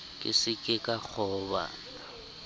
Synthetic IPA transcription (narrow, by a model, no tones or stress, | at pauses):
kʼɪsɪkʼɪkʼak͡xʰɔba̰ːn | a